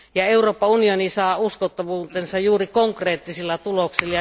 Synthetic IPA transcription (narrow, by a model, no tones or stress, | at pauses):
jɑeuroːpːɑunionisɑːuskot̪ːɑʋuːt̪ensɑjjuːrikoŋkreːt̪ːisilːɑt̪uloksilːɑj